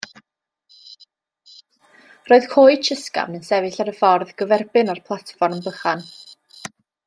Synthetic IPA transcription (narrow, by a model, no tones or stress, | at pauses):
roːɨð̥kʰoːɨt͡ʃʰəska̰vnənsɛvɨɬaɾəfɔrðɡəvɛrbɪnarpʰlˠatfɔrmbəχan